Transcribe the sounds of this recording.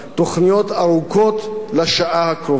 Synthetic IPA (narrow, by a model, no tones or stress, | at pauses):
t̪o̞χnijo̞t̪aɾuko̞t̪laʃaʔahakɾo